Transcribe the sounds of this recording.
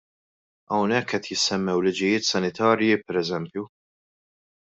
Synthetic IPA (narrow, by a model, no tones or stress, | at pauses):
ɐwnɛkːɛt̪jɪsːɛmːɛwlɪd͡ʒɪjɪːt̪sɐnɪt̪ɐːɾjipɛɾɛzɛmpju